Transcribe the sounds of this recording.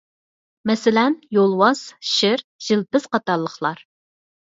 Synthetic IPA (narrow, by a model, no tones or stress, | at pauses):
mɛsɪlɛnjolˠwɑz̥ʃɪɾʒ̥ɪlpɪz̥qɑt̪ɑɾlˠːəχlˠɑɾ